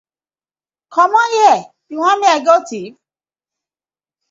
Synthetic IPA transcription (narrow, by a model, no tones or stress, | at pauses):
kɔ̃mɔ̃iɛ | iw̃ɔ̃nĩɛɡɔtiv